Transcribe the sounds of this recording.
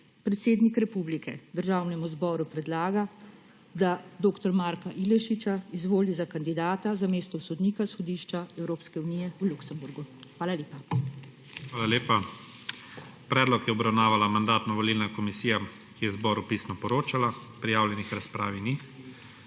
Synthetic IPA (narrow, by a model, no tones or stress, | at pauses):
pɾɛt̪seːd̪nikɾɛpublikɛd̪əɾʒaːwnɛmuzbɔɾupɾɛd̪laːɡa | d̪ad̪oːkt̪ɔɾmaːɾkaʔilɛʃit͡ʃaizʋoːlizakand̪id̪aːt̪azameːst̪ɔsɔd̪niːkasxɔd̪iːʃt͡ʃaɛwɾoːpskɛunijɛuluksɛmbuɾɡuxʋaːlaleːpa | xʋaːlaleːpa | pɾɛːd̪lɔkjɛɔbɾawnaːʋalamand̪aːt̪nɔʋɔliːlnakɔmisiːja | kijɛzbɔːɾupiːsnɔpɔɾoːt͡ʃala | pɾijaːwljɛnixɾaspɾaːʋini